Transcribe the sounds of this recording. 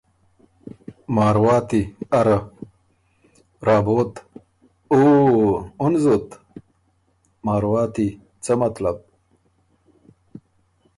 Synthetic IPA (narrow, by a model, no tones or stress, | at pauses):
maːɾwaːt̪iɐɾa | ɾaːboːt̪ | oː | unzot̪ | maːɾwaːt̪i | t͡səmɐt̪lab̚